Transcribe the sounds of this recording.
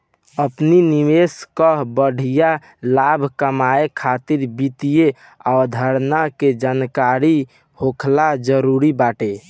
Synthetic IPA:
əpninimeskəɦbəɽ̤ʱija | labʱkəmaekʰat̪iɾbit̪ije | ad̪ʱəɾnaked͡ʒankaɾi | hokʰlad͡ʒəɾuɾibaʈe

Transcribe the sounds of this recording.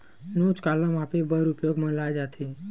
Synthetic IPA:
nut͡ʃkalãmapibəɾupjoɡmə̃lajd͡ʒat̪ʰi

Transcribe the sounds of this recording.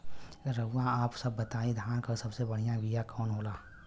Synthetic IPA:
ɾəɦuːãaːpsɐbːət̪aːĩd̪ʱjaːnkəɾsɐbsebɐɽ̤ijãbijakɔːnɦoːlaː

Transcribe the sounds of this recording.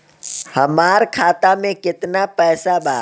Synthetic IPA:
hɐmaːɾkʰaːt̪amẽkɪt̪napɛːsabaː

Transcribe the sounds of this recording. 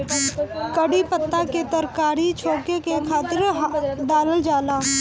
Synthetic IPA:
kəɽipət̪ːaket̪əɾkaːɾit͡ʃʰoːkekekʰaːt̪əɾɦd̪aːləld͡ʒaːlaː

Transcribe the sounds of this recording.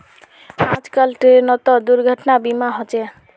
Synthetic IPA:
ad͡zkalʈenɔt̪ɔd̪uɾɡʱʌʈnabimaɦot͡ʃe

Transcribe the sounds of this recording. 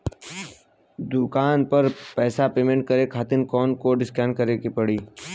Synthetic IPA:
d̪ʊkaːnpɐɾpɛːsapeːmẽɳʈ̚kɐɾekʰaːt̪ɪnkɔːnkoɖɪskɛːɳkɐɾekipɐɽiː

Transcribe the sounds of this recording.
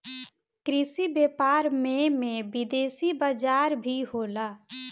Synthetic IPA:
kɾisibeːpaɾmemẽbid̪eːsibəd͡ʒaɾbʱiɦola

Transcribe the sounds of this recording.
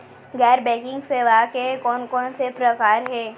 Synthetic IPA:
ɡɛːɾbɛ̃ːkɪ̃ŋɡseʋakekɔːnkɔːnsepɾɐkaːɾɦɛː

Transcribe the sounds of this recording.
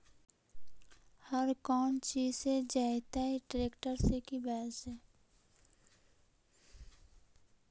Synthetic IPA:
həɾkɔːnt͡ʃiːzsed͡ʒaːɪt̪aiʈɾeːkʈəɾsekibɛːsɛː

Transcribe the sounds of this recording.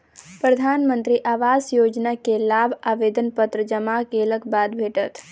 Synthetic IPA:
pɾəd̪ʱanmənt̪ɾiʔaʋazjod͡ʒnakelabaʋed̪ənpət̪ɾəd͡ʒəmakeləkbad̪bʱeʈət̪

